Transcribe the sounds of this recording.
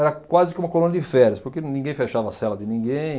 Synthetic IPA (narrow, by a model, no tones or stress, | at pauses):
ɛɾɐkwazɪkɪũmɐkolũnɐd̪ɪfɛɾjɐspoɾkenĩŋɡẽj̃feʃavɐsɛlɐd̪ɪnĩŋɡẽj̃